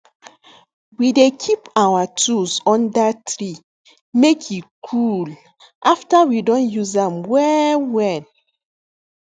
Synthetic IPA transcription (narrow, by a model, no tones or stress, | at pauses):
widekʰipawatusɔ̃ndatɹi | mekʰjikʰul | ʔaftawidɔ̃njuzãmwɛwɛ̃n